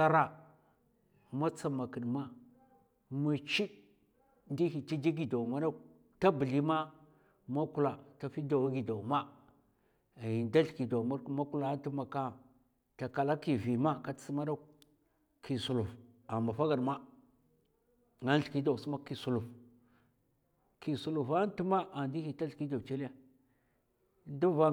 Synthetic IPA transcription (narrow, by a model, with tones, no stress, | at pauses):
sa˦ɾa˨ | ma˦t͡sa˨ma˨ki˨dma˦ | ma˨t͡ʃi˦d | ndi˦hi˨ti˦d͡ʒi˦ɡi˨da˨ma˦da˦˨ | ta˦bə˨li˦ma˦ | ma˦ku˦la˨ta˨fi˦da˨wɡi˨da˨wma˦˨ | ji˨nda˦ɬki˨da˨ma˦ɾma˦ku˦la˦ti˦ma˨ka˦ | ta˨ka˨la˦ki˨vi˨ma˦ka˦ti̥˦si˦ma˦da˦ | kʰi˨su˨lu˨fa˨mba˨fa˦ɡa˨ɾma˦ | ŋa˦n˦ɬki˦da˨wsma˦ki˨su˨lu˨f | ki˨su˨lu˨fa˦n˦tu˦ma˦a˨ndi˦hi˨ta˦ɬki˦da˨t͡ʃe˦li˦ja˦ | du˦va˦